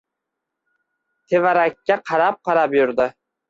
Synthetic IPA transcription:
t̪ʰevaɾakʲːaqʰɑɾap̚qɑɾapjʊɾd̪ɪ

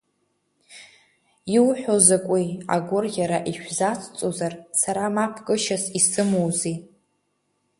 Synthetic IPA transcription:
iwħʷᶣozakʷʼia̰ɡʷʊrɣʲaɾaʔiʃᶣzat͡sʰʼt͡sʼozarsaɾamapʰkʼɨʃasisɨmowzi

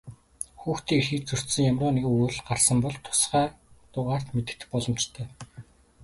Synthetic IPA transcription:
xuːxt̪ʰiːŋirxɘ̆kt͡ɕt͡sɵr̥t̪sɘ̆ŋjamrʊːnekuɮɢarsə̆mpɔɮt̪ʰʊ̥sχæː | t̪ʊʁaːr̥t̪met̪ɘ̆k̚t̪ɘ̥̆k̚pɔɮɞ̆mt͡ɕt̪ʰæː

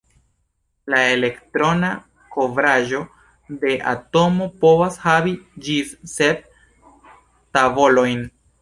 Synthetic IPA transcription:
lae̞le̞ktɾo̞na | ko̞vɾaʒo̞ | de̞ʔa̰to̞mo̞po̞vashavid͡ʒisset̚ | tavo̞lo̞jn

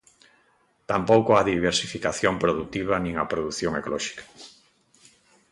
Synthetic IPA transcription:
t̪ampowkoaðiβeɾsifikaθjompɾoðut̪iβ̞ɐnĩŋɐpɾoðuθjoŋekolɔʃi̥kḁ

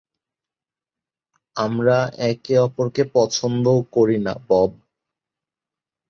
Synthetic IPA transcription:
amɾaɛkeɔpoɾkepɔt͡ɕʰond̪okoɾina̰bɔb̚

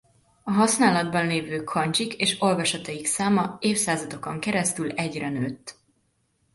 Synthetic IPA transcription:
ɒɦɒsnaːlɒd̪̚bɒnleːvøːkʰɒɲt͡ʃikeːʃo̞lvɒʃɒt̪ɒjiksaːmɒeːfsaːzɒd̪o̞koŋkɛɾɛst̪ylɛɟrɛnøːt̪ː

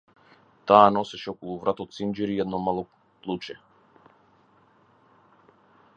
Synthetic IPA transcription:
t̪aːnɔsɛʃɛɔkɔlˠuvɾat̪ɔt̪sind͡ʒɛɾiɛd̪nɔmalˠɔ | plˠut͡ʃɛ

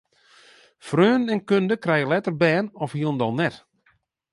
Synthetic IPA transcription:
frøːnɛnkøndəkrɛjəlɛtərbɛːnɔfhiəndɔlˠnɛt

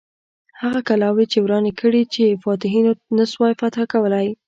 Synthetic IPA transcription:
haɣakalɑwet͡ʃewɾɑnekʰəɽit͡ʃefɑt̪ɪɦinonaswɑjfat̪xakawəlaj

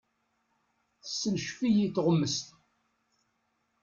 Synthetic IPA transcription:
θəsːənʃfijiθʁəmːəst̪

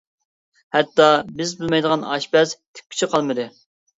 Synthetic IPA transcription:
hɛt̪ːɑbɪzbulˠmɛjd̪əʁɑnɑ̰ʃpɛst̪ʰɪ̥p̚ʲkʲi̥t͡ʃʰiqʰɑlˠmɨd̪ɨ

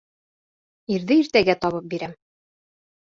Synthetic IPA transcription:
iɾðɘiɾt̪æɡæt̪ɒβɤp̚biɾæm

